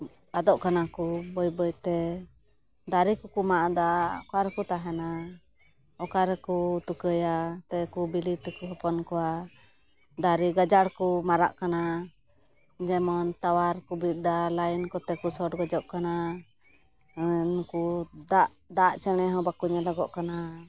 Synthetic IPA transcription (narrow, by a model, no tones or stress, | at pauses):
ad̪ɔʔkanakubɔjbəjt̪ɛ | d̪aɾikukumaʔad̪aɔkaɾɛkut̪aɦɛna | ɔkaɾɛkut̪ukəjat̪ɛkubilit̪ɛkuɦɔpɔnkɔwa | d̪aɾiɡad͡ʒaɽkumaɾa̰ʔkana | d͡ʒɛmɔnt̪awaɾkubit̪̚ˀd̪alajnkɔt̪ɛkusɔʈɡɔd͡ʒɔʔkana | nkud̪aʔ | d̪aʔt͡ʃɛɽ̃ɛɦɔ̃bakuɲalɔɡɔʔkana